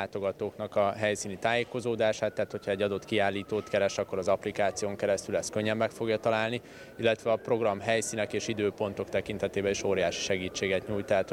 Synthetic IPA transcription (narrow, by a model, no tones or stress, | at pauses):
aːt̪o̞ɡɒt̪oːknɒkɒɦɛjsiːnit̪aːjeːko̞zoːd̪aːʃaːt̪ːaːt̪ho̞cʰhɒɛɟːɒd̪o̞t̪kiaːlːiːt̪oːt̪kɛɾɛʃɒkːo̞ɾɒzɒplikaːt̪sijoːŋkɛɾɛst̪ylɛst̪køɲːɛmːɛkfo̞ɡjɒt̪ɒlaːlni | ilːɛt̪ʋɛɒpro̞ɡrɒmɦɛjsiːnɛkeːʃid̪øːpo̞nt̪o̞kt̪ɛkin̪t̪ɛt̪eːbɛniʃoːɾijaːʃi̥ʃɛɡiːt͡ʃːeːɡɛt̪ɲuːjt̪aːt̪